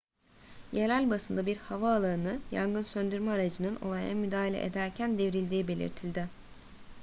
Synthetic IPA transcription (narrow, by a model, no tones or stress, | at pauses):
jelælʲbasɯnd̪abiɾhavaːlˠaɯnɯja̰ŋɡɯnsønd̪yɾmaːɾad͡ʒɯnɯno̞̰lˠajaa̰myd̪aːɦelʲɛ̰ʔḛd̪æɾcʰænd̪e̞vɾilʲd̪iːibe̞lʲḭɾt̪ʰilʲd̪ɪ